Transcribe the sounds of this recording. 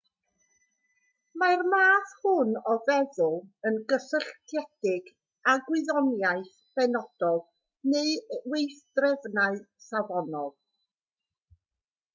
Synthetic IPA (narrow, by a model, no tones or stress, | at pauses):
marmaːθhʊnɔvɛðʊlˠənɡəsəɬtʰɛdɪɡ | aɡwɪðɔnjaɨθ | b̥ɛnɔd̥ɔd | neɨwejθd̥rɛvnaɨsavɔnɔlˠ